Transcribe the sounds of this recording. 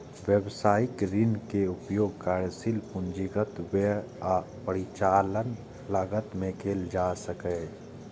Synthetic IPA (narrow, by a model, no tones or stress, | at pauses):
wjəwsaːɪkɾɪnkeʊpjoːɡ̚kaːɾjəsɪlpʊ̃nd͡ʒiɡət̪we | a | pəɾɪt͡ʃaːlən | laːɡət̪mẽkʰeːld͡ʒaːsəkɛː